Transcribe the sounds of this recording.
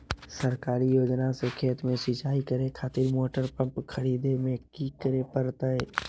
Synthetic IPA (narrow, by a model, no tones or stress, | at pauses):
səɾkaːɾijoːd͡ʒnasekʰeːt̪mẽsit͡ʃaːikəɾekʰaːt̪ɪɾmoːʈəɾpə̃mpkʰəɾiːd̪emẽkikəɾepəɾt̪əeː